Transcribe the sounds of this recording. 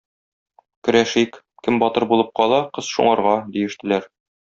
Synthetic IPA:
kɵ̆ɾæʃik | kɘmbɒt̪ɤɾbulˠɤp̚qɒlˠɑqɤzʃṵɴɑɾʁɑd̪ijɘ̆ʃt̪ɘ̆læɾ

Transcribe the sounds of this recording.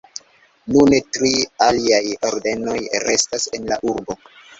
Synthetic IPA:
nunetɾialiajoɾde̞no̞jɾe̞stase̞nlaʔuɾbo̞

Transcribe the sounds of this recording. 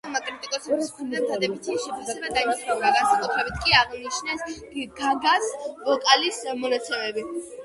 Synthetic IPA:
makʼɾit̪ʼikʼɔsazad̪ɛbit̪ʰiʃɛpʰasɛbad̪aimsɾaɡansakʼut̪ʰɾɛbit̪ʰkʼiaʁnit͡ʃʰnɛs | ɡaɡasvɔkʼalismɔnat̪sʰɛmɛbi

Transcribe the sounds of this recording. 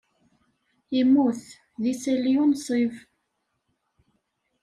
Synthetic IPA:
imːuθ | ðisæliunsˤiv

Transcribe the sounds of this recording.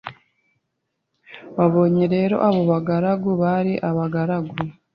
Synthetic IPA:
βaβo̞ːɲeɾe̞ːɾo̞̰ʔaβo̞βaɡaɾaɡuβaɾiʔaβaɡaɾaɡu

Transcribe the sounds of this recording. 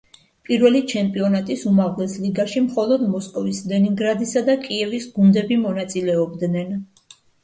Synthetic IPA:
pʼiɾvɛlit͡ʃʰɛmpʼiɔnat̪ʼisumaʁlɛsliɡaʃimχɔlˠɔd̪mɔskʼɔvislɛniŋɡɾad̪isad̪akʼiɛvisɡund̪ɛbimɔnat̪sʼilɛɔbd̪nɛn

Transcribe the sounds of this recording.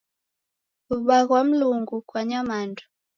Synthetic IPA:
uɓaɣwam̩luŋɡukwaɲamandɔ̥

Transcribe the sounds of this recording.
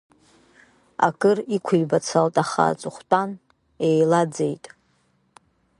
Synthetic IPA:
a̰kʼɨrikʷʰʊjbat͡sʰaltʼaχa̰t͡sʼʊχʷtʼan | ejlad͡zejtʼ

